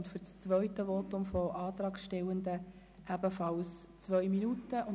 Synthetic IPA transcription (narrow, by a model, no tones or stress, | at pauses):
ntfʏɾt͡st͡sʋœʏtəʋɔtʊmfɔʔɑːt̪rɑːkʃtɛwənd̪ə | ʔæb̥əfɑlst͡sʋœminutəʔʊn